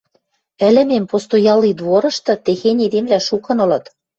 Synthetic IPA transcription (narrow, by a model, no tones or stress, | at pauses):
ɘ̆lɘ̆mempost̪ojɑlid̪βoɾɤ̆ʃt̪ɤ̆t̪exenʲed̪emlæʃukɤ̆nɤ̆lɤ̆t̪